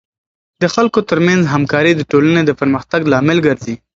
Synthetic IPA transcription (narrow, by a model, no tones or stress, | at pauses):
d̪əxalkot̪əɾmanzɦamkɑɾid̪əʈoləned̪əpəɾməxt̪aɡlɑmɪlɡəɾzi